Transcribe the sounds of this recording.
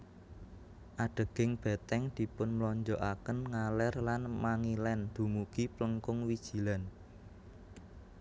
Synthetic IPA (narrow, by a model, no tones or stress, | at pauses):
ʔaɖ̥ə̤ɡ̥ɪŋb̥ɛ̤t̪ɛŋd̪̥i̤pʊnməlɔɲd͡ʒɔʔakənŋalɛrlanmaŋilɛnd̪̥ṳmuɡ̥ipləŋkʊŋwid̥ʒ̥i̤lan